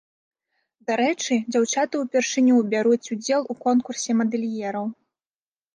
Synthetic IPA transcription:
d̪aɾɛt͡ʂɨd͡zʲawt͡ʂat̪ɨwpʲɛrʂɨnʲuwbʲaɾut͡sʲud͡zʲɛlˠukɔnkursʲɛmɐd̪ɛlʲjɛɾɐw

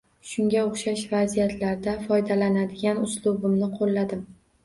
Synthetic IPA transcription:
ʃʊŋɡʲaʊχʃaʃvazijat̪ʰlaɾd̪afɒjd̪alanad̪ɪɡʲanʊslˠubɪmnɪqʰolːad̪ɪm

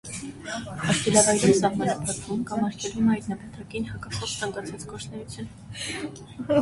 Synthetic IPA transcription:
ɑʃkɛlɑvɑɡɾinsɑɦmɑnɑpʰɑkvumkɑmɑɾkʲʰɛlvumɑjt̪nɑpɑt̪ɑkinhɑkɑkʰɔχt͡sʰɑŋkɑt͡sʰɑt͡skɔɾt͡ʃʰnɛjut͡sʰjun

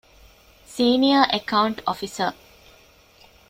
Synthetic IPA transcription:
siːniəʔekawuɳʈɔfisə

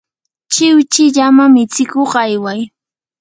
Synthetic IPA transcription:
t͡ʃɪwt͡ʃɪʎamamɪt͡sɪkoχajwaj

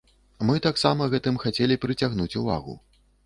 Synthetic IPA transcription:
mɨt̪aksamɐɣɛt̪ɨmxat͡sʲɛlʲipɾɨt͡sʲaɣnut͡sʲuva̰ɣṵ

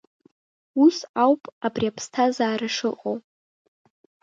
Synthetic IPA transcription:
usawpʼabriapʰstʰazaːɾɨʂɨqʼowʼ

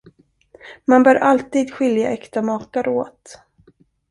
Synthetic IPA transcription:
manbœːɾʔalt̪iːd̪ɧʏlja̰ʔɛkt̪amɑːkaɾoːt̪

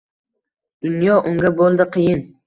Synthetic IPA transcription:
d̪̥ʊnjɒʔʊŋɡʲabolˠd̪ɪqʰɨjɪn

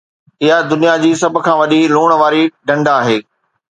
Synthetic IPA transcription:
ɪɦad̪ʊnijad͡ʑiːsɐbʱkʰãːʋɐɗiluːɽ̃ʋaːɾiɖɐ̃ɳɖaːɦeː

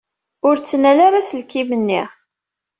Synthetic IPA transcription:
ʊɾt͡sːnælaɾasəlkimənːiʁ

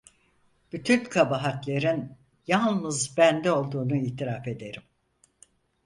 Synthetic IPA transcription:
b̥yt̪ʰynkʰabaɦat̪lʲeɾin | jalˠnɯzbænd̪ɛo̞lˠd̪uːnuiːt̪ʰiɾafe̞d̪e̞ɾim

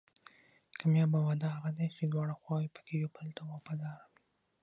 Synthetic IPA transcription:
kʰamjɑbawad̪ahaɣad̪et͡ʃed̪wɑɽaxwɑjipə̥kejobəlt̪awɑbad̪ɑɾawi̥

